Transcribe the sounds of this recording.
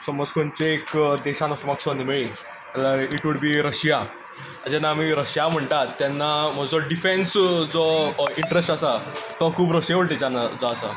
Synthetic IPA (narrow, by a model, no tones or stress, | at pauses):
səməd͡zkʰont͡ɕeekd̪ɛɕanɔsmaksɔnemiɭiː | t̪alaiʈʋuɽbiːɾəɕja | ad͡ʑanaːmiɾəɕjam̤əɳʈ̪at̪ːjanːam̤əɡd͡zɔɖifensd͡zɔiɳʈɾesʈasat̪ɔkʰuːpɾəɕjeʋəɭʈ̪ed͡zanad͡zɔasa̰